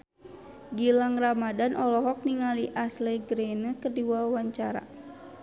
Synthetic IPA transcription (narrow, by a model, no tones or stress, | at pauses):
ɡilaŋramadanʔɔlɔɦɔk̚niŋaliʔasleɡɾenəkərdiwawaɲt͡ʃaɾa̰